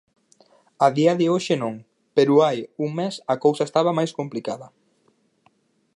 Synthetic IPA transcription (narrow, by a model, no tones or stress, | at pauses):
aðiɐðɪoʃɪnõŋ | peɾʊajuŋmesɐkowsɐest̪aβ̞ɐmajskomplikaðɐ